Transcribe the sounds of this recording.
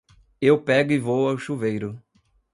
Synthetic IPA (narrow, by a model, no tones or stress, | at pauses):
ewpɛɡʊivowawʃuvejɾʊ